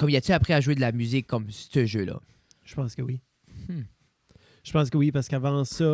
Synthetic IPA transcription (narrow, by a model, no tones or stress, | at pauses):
kɔmiat̪yapχɛaʒuwed̪əlamyzɪkʰːɔmst̪əʒølʌ̰ | ʒ̥ə̥pɑ̃skəwi | h̩ | ʒ̥ə̥pɑ̃s̬kəwipaʁsə̥kavɑ̃sɔ